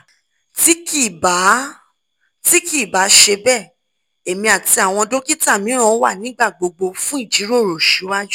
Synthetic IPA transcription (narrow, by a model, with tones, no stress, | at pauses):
ti˦ki˦˨ba˨˦ | ti˦ki˦˨ba˨˦ʃe˧bɛ˦˨ | e˨mĩ˧a˨ti˧a˨w̃ɔ̃˧do˦ki˦ta˦˨mĩ˨˦ɾ̃ã˦wa̰˦˨nĩ˨˦ɡ͡ba˦˨ɡ͡bo˧ɡ͡bo˧fũ˦i˦˨d͡ʒi˨˦ɾo˦˨ɾo˨ʃu˨˦wa˦d͡ʒu˦˨